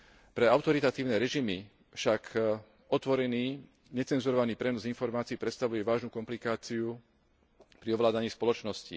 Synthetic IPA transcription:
pɾɛaʊt̪ɔɾit̪at̪iːʊnɛɾɛʒimi | fʃak | ɔt̪ʋɔɾɛniː | ɲɛt͡sɛnzuɾɔʋaniːpɾɛnɔzinfɔɾmaːt͡siːpɾɛt̪st̪aʋujɛʋaːʒnukɔmplikaːt͡siu | pɾiɔʋlaːd̪aɲiːspɔlɔt͡ʃnɔscḭ

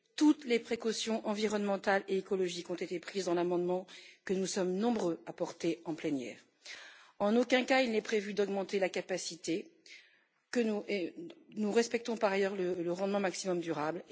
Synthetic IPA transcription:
t̪ut̪lepχekɔsjɔ̃ʔɑ̃viʁɔnmɑ̃t̪aleekɔlɔʒikɔ̃t̪et̪epχizd̪ɑ̃lamɑ̃d̪mɑ̃kənusɔmnɔ̃bʁøapɔʁt̪eɑ̃plɛnjɛ̰ːʁ | ɑ̃nokɛ̃kailnɛpχevyd̪ɔɡmɑ̃t̪elakapasit̪e | kənuenuʁɛspɛk̚t̪ɔ̃paʁajœʁlələʁɑ̃d̪mɑ̃maksimɔmd̪yʁabl

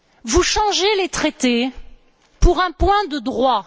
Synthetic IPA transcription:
vuʃɑ̃ʒelet̪χet̪e | puʁɛ̃pwɛ̃d̪əd̪ʁwa

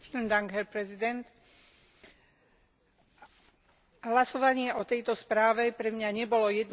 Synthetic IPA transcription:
tilnd̪aŋɡɦɛɾpɾɛzid̪ɛnt̪ | ɦlasɔʋaɲɪɛʔɔt̪ɛjt̪ɔspɾaːʋɛpɾɛmɲaɲɛbɔlɔjɛd̪n

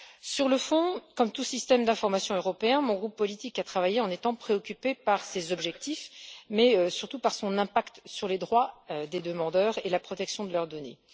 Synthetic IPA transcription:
syʁləfɔ̃kɔmt̪usist̪ɛmd̪ɛ̃fɔʁmasjɔ̃øʁɔpeɛ̃mɔ̃ɡʁupːɔlit̪ikat̪χavajeɑ̃net̪ɑ̃pχeɔkʲypepaʁsezɔbʒɛk̚t̪ifmɛøsyʁt̪upaʁsɔ̃nɛ̃pakt̪syʁled̪ʁwad̪ed̪əmɑ̃d̪œːʁelapχɔt̪ɛksjɔ̃d̪əlœʁd̪ɔnḛ

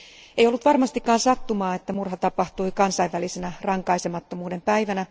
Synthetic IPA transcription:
ejolːut̪ʋɑrmɑst̪ikːɑːnsɑt̪ːumɑːet̪ːæmurhɑt̪ɑpɑht̪uikɑnsɑiʋːælisenærɑŋkɑisemɑt̪ːomuːde̞mpæiʋænæ

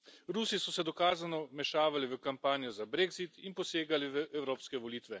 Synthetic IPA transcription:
ɾuːsisɔsɛd̪ɔkaːzanɔmɛʃaːʋaliʋəkampaːnjɔzabɾeːɡzit̪inpɔseːɡaliʋəʔɛwɾoːpskɛʋɔliːt̪ʋɛ

